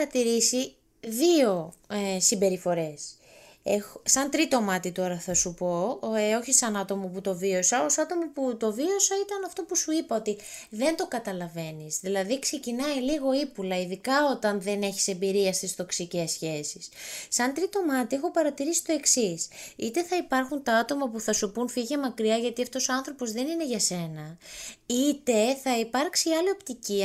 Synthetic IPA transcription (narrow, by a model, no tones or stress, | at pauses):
ɐt̪iɾisi | ðio̞ | simbe̞ɾifo̞ɾe̞s | exosɐnt̪ɾit̪o̞mɐt̪it̪o̞ɾɐθɐsupo̞o̞çisɐnɐt̪o̞moput̪o̞vio̞sɐosɐt̪o̞moput̪o̞vio̞sɐit̪ɐnɐft̪o̞pusuipɐot̪iðe̞nd̪o̞kɐt̪ɐlɐve̞nizðilɐðikse̞cinɐiliɣo̞ipulɐiðikɐo̞t̪ɐnðe̞ne̞çi̥se̞mbiɾiɐst̪ist̪o̞ksice̞sçe̞sissɐnt̪ɾit̪o̞mɐt̪ie̞xo̞pɐɾɐt̪iɾisi̥t̪o̞e̞ksisit̪e̞θɐipɐɾxunt̪ɐɐt̪o̞mɐpuθɐsupunfiʝe̞mɐkɾiɐʝɐt̪iɐft̪o̞so̞ɐnθɾo̞po̞zðe̞nine̞ʝɐse̞nɐit̪e̞θɐipɐɾksiɐlio̞pt̪iciɐ